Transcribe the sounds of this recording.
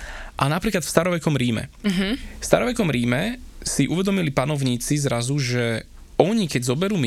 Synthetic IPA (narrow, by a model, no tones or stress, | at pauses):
ʔanapɾiːklat̪fst̪aɾɔʋɛkɔmɾiːmɛ̰ɦfst̪a̰ɾɔʋɛkɔmɾiːmɛsiʔuʋɛd̪ɔmilipanɔʊɲiːt͡sizɾazuʒɛ | ɔɲikɛɟzɔbɛɾuːmi